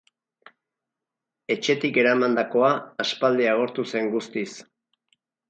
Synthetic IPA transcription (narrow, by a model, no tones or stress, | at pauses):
e̞t͡ʃe̞t̪ike̞ɾamand̪ako̞aːspald̪eaɣ̞o̞ɾt̪use̞ŋɡust̪is